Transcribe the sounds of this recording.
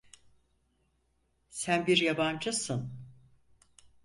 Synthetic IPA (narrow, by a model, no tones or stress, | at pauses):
sænbiɾjaband͡ʒɯsɯn